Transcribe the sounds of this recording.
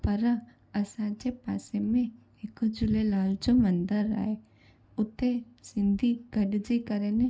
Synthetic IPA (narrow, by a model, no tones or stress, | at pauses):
pəɾa | ɐsãt͡ʃepa̰ːsemẽ | ɪkd͡ʒʊlelaːld͡ʒomə̃nd̪əɾa̰ːe | ʊt̪ʰːesɪ̃nd̪ʱiɡɐɖd͡ʒikəɾene